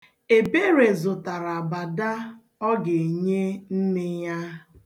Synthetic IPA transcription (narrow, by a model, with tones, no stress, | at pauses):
e˨be˦ɾe˨zʊ˨ta˨ɾa˨ba˨da˦ | ɔ˦ɡe˨ɲe˦n̩˦nɪ˦ja˦